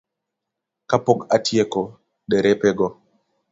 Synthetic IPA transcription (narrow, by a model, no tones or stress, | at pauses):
kapːɔkatijɛkɔ | ɗɛɾɛpɛɡɔ